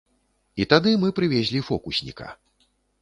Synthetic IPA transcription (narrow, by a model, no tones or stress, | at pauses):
it̪ad̪ɨmɨpɾɨvʲezʲlʲifɔkusʲnʲḭkɐ̰